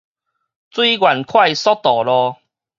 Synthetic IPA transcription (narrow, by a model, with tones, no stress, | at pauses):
t͡swi˦ɡwa˨˩nkʰwa˥˧jsɔ˦t̪ɔ˨˩lɔ˧